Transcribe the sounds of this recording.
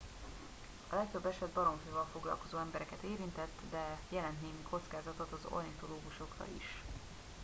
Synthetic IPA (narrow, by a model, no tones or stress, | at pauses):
ɒlɛkt̪øbːɛʃɛd̪bɒɾo̞ɱføːvɒlfo̞ɡlɒ̰lko̞zoːɛmbɛɾɛkɛt̪eːɾint̪ɛt̪ːd̪ɛjɛlɛnt̪neːmikʰo̞t̪skaːzɒt̪ot̪ɒzo̰nit̪o̞loːɡuʃo̞krɒ̰ḭʃ